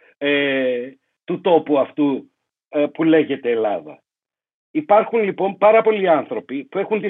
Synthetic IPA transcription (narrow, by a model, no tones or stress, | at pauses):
e | t̪ut̪o̞puɐft̪u | pule̞ʝe̞t̪e̞ːlɐðɐ̰ | ipɐɾxunlipo̞mpɐɾɐpo̞liɐnθɾo̞pipue̞xunt̪i